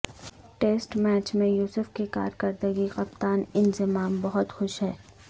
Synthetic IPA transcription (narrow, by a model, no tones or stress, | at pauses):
ʈeːsʈmɛːt͡ʃmẽjuːsʊfkika̰ːɾkɐɾd̪əɡiqɐpt̪aːnɪnzɪmaːmbɐɦʊt̪xʊʃɦɛː